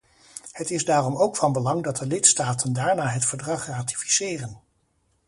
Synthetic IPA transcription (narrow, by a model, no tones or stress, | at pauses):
hətɪzdaːrɔmowkfɑnbəlɑŋdɑt̚dəlɪtstaːtʰəndaːɹnaːɦətfəɹdrɑχraːti̥fi̥sɪːrən